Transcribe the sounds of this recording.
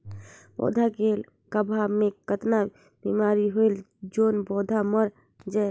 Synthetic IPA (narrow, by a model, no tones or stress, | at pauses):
bɔ̰d̪ʱaɡel | kəbʱamekət̪na | b̥imaɾiɦojl | d͡ʒonbɔd̪ʱaməɾ | d͡ʒa